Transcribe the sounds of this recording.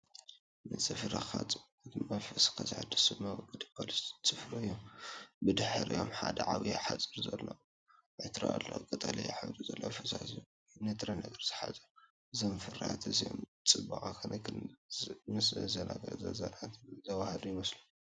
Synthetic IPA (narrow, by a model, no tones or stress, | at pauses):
nɨt͡sʼɨfɾaxat͡sʼ | ɨt̪ɨmɐfɐskʰazħad̪ːisɨmawɔɡɐd̪ɨpʰolist͡sʼɨfɾoɨjːombɨd̪ɨħɾijo̞mħad̪ɐʕaβijħat͡sʼɨɾzɐlːo | ʕɨt̪ɾalːokʼɐt̪ʼɐlɐjaħɨβd̪uzɐlːofɐsazjo | nɨt̪ʰʼɾɐnɐɡɐɾzɨ̥ħazʼɐ | ɨzomfɨrat̪ʰɨzijo̰m | t͡sʼɨbɨχʼakʰɐnkʰɨnmɨszɐnaɡɐɾzɐzaɾat̪zɐwahɐd̪ujɪmɐslu